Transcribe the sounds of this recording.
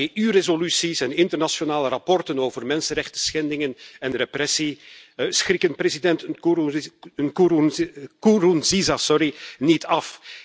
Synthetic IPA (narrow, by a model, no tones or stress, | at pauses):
eʔyːrezolysisɛnɪntərnasjonaːləɾapɔrtənoːvərmɛnsənɾɛxtəsxɛndɪŋənɛnreprɛsisxɾɪkənprezidɛnt | ənkukuɾunzizasɔɾinitɑf